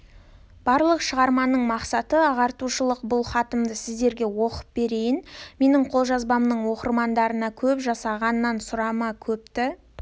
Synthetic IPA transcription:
b̥ɑɾlˠəqʃəʁɑɾmɑnəɴmɑqsɑt̪əɑʁɑɾt̪uʃəlˠəq̚bʊlˠχɑt̪əmd̪əsɪzd̪e̞ɾɡʲe̞wo̞qə̥p̚be̞ɾe̞jɪnme̞nɪɴqʰo̞lˠʒɑzbɑmnəɴwo̞qəɾmɑnd̪ɑɾənɑkʲʰɵpʒɑsɑʁɑnːɑnsʊɾɑmɑkʲʰɵp̚t̪ɪ

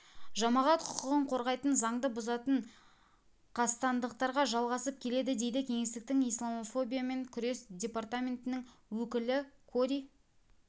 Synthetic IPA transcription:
ʒɑmɑʁɑt̪̚qʰʊ̥qəʁəɴqʰo̞ɾʁɑjt̪ənzɑɴd̪əbʊzɑt̪əɴ | qʰɑst̪ɑnd̪əqt̪ɑɾʁɑʒɑlˠʁɑsəp̚kʲʰe̞le̞d̪ɪd̪e̞jd̪ɪkʲʰe̞ŋe̞st̪ɪk̚t̪ɪŋijslˠamo̞fo̞bʲijame̞ŋkʲʰʏɾe̞sd̪ʲe̞part̪amʲe̞nt̪ɪnɪŋwɵkʲɪlɪkʰoɾʲij

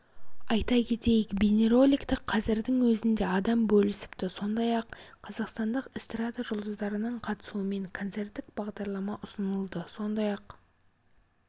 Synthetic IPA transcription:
ɑjt̪ɑjkʲʰe̞t̪e̞jɪkbʲenʲeɾo̞lʲˠijkt̪ɪqqʰɑzɪɾd̪ɪŋwɵzɪnd̪e̞ɑd̪ɑmbɵlɪsɪ̥pt̪ɪso̞nd̪ɑjɑqqʰɑzɑqst̪ɑnd̪əqɪst̪rad̪aʒʊlˠd̪əzd̪ɑɾənəɴqʰɑt̪ə̥suəme̞ŋkʰo̞nt̪se̞rt̪ːɪk̚bɑʁd̪ɑɾlˠɑmɑʔʊsənəlˠd̪əso̞nd̪ɑjɑq

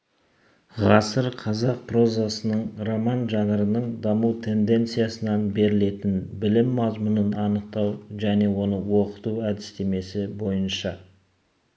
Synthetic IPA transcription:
ʁɑsəɾqʰɑzɑq̚pro̞zasənəɴro̞mɑnʒɑnəɾənəɴd̪ɑmut̪ʰe̞nd̪e̞nt̪sɨijɑsənɑnbe̞ɾɪle̞t̪ɪnbɪlɪmːɑzmunənɑnəqt̪ɑwʒæne̞wo̞nəwo̞qə̥t̪uæd̪ɪst̪e̞me̞sɪbo̞jənʃɑ

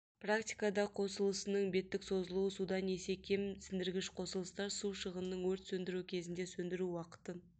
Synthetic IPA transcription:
prakt̪ʲi̥jkɑd̪ɑqʰo̞səlˠəsənəɴbe̞t̪ːɪkso̞zəlˠuwəsud̪ɑnje̞se̞kʲʰe̞msɪnd̪ɪɾɡʲɪʃqʰo̞səlˠəst̪ɑɾsuʃəʁənːəɴwɵɾt̪sɵnd̪ɪɾukʲʰe̞zɪnd̪e̞sɵnd̪ɪɾuwɑqə̥t̪ə

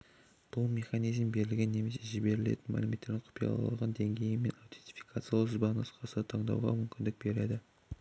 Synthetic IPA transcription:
b̥ʊlˠmʲe̞χanijzmbe̞ɾɪlɡʲenːe̞me̞se̞ʒɪbe̞ɾɪle̞̰t̪ɪnmæ̰lɪmet̪ːe̞ɾd̪ɪŋqʰʊ̥pijɑ̰lˠɑ̰lˠʁɑnd̪e̞ŋɡʲe̞jɪme̞nɑwt̪e̞nt̪i̥fi̥kat̪sɨjalˠəʒʊzbɑnɑsqɑsət̪ʰɑɴd̪ɑ̰wʁɑ̰mʏmkʲɪnd̪ɪk̚be̞ɾe̞d̪ɪ

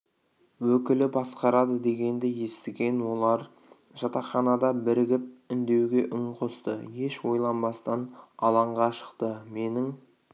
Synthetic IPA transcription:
wɵkʲɪlɪbɑsqɑɾɑd̪əd̪e̞ɡʲe̞nd̪ɪje̞st̪ɪɡʲe̞nwo̞lˠɑɾ | ʒ̥ɑt̪ɑχɑnɑd̪ɑbɪɾɪɡʲɪp̚ɪnd̪e̞wɡʲe̞ʔʊŋqʰo̞st̪əje̞ʃwo̞jlˠɑnbɑst̪ɑnɑlˠɑɴʁɑʃə̥qt̪əme̞nɪŋ

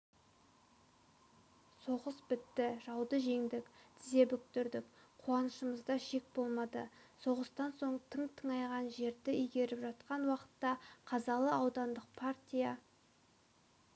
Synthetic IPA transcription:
so̞ʁəsbɪt̪ːɪʒɑwd̪əʒe̞ŋd̪ɪkt̪ʰɪze̞bʏk̚t̪ʏɾd̪ɪkqʰuɑnəʃəməzd̪ɑʃe̞k̚bo̞lˠmɑd̪ə̰so̞ʁəst̪ɑnso̞ɴt̪ʰəŋt̪ʰəɴɑjʁɑnʒe̞ɾd̪ɪʏjɡʲe̞ɾɪpʒɑt̪̚qɑnwɑqə̥t̪ːɑqʰɑzɑlˠəɑwd̪ɑnd̪əq̚pʰartʲija

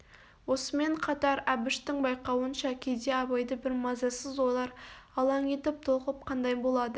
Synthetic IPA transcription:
wo̞səme̞ɴqʰɑt̪ɑɾæbɪʃt̪ɪŋbɑjqɑwənʃɑkʲʰe̞d̪e̞ɑbɑjd̪əbɪɾmɑzɑsəzwo̞lˠɑɾɑlˠɑne̞t̪ɪp̚t̪ʰoqəp̚qʰɑnd̪ɑjbo̞lˠɑd̪ə

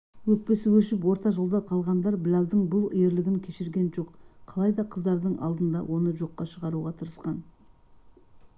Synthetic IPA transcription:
wɵk̚pe̞sɪwɵʃɪp̬wo̞ɾt̪ɑʒolˠd̪ɑqʰɑlˠʁɑnd̪ɑɾbɪlɑld̪əɴbʊlˠijeɾlɪɡʲɪŋkʲʰe̞ʃɪɾɡʲe̞nʒo̞qʰːɑlˠɑjd̪ɑqʰəzd̪ɑɾd̪əɴʔɑ̰lˠd̪ənd̪ɑ̰wʔo̞nəʒo̞qːɑʃəʁɑɾuʁɑt̪ʰəɾəsqɑn

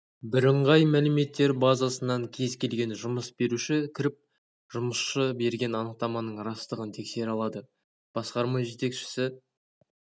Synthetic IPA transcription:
bɪɾəɴʁɑjmælɪme̞t̪ːe̞ɾbazɑsənɑŋkʲʰe̞zkʲe̞lɡʲe̞nʒʊməsbe̞ɾuʃɪkʲʰɪɾɪp̚ | ʒ̥ʊməsʃəbe̞ɾɡʲe̞nɑnəq̚t̪ɑmɑnəɴɾɑst̪əʁənt̪ʰe̞kse̞ɾɑlˠɑd̪ə | b̥ɑsqɑɾmɑʒe̞t̪e̞kʃɪ̥sɪ

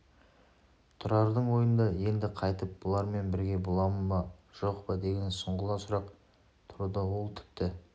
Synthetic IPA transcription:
t̪ʰʊɾɑɾd̪əɴwo̞jənd̪ɑje̞nd̪ɪqʰɑjt̪əp̚bʊlˠɑɾme̞nbɪɾɡʲe̞bolˠɑməbɑʒ̥o̞qpəd̪e̞ɡʲe̞nsʊɴʁəlˠɑsʊɾɑq | t̪ʰʊɾud̪əwo̞lˠt̪ʰɪ̥p̚t̪ɪ

